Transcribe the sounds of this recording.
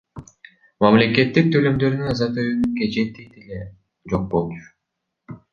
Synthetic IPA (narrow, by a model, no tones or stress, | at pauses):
mamle̞ke̞t̪ːik̚t̪ʰø̞lø̞md̪ø̞ɾnynɑzɑt̪øjynyŋked͡ʒe̞t̪ːejt̪ele | d͡ʒo̞q̚bo̞lˠt͡ʃʊ̥